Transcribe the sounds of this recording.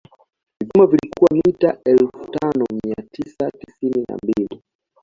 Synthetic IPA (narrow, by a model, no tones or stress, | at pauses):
vivumavilikuwamitaʔɛlfu̥tanɔmiatisati̥sinina̰mbili